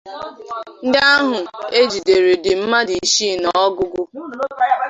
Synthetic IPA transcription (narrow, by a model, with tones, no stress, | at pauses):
n̩˦dɪ˦a˦ɦʊ˨e˦d͡ʒi˨de˨ɾe˨dɪ˨m̩˦ma˦di˨ʃi˦nɔ˨ɔ˦ɡʊ˦ɡʊ˦